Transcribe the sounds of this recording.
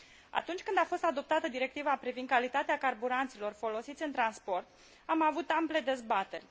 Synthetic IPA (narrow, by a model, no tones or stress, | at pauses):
a̰t̪unt͡ʃʲkɨnd̪afo̞st̪ad̪o̞p̚t̪at̪əd̪iɾe̞k̚t̪ivapɾivind̪̚kalit̪at̪eakarbuɾant̪silo̞rfo̞lo̞sit̪sʲɨnt̪ɾanspo̞rt̪ | amavut̪ample̞d̪e̞zbat̪e̞rʲ